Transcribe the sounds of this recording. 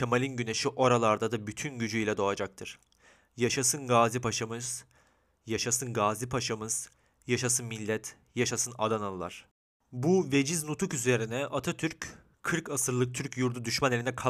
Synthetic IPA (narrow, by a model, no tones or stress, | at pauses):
cʰamalʲinɟyne̞ʃiʔo̞ɾalˠaɾd̪ad̪abyt̪ʰynɟyd͡ʒyjlʲɛd̪o̞ad͡ʒak̚t̪ʰɯɾ̥ | jaʃasɯnɡaːzipaʃamɯz̥ | jaʃasɯnɡaːzipʰaʃamɯz̥ | jaʃasɯnmilʲːɛt̪ʰ | jaʃasɯna̰d̪analˠɯlˠa̰ɾ̥ | buve̞d͡ʒiznut̪ʰukyze̞ɾinɛʔat̪ʰat̪ʰyɾc | kʰɯɾkasɯɾlˠɯk̚t̪ʰyɾcjuɾd̪ud̪yʃmanelʲinɛkʰa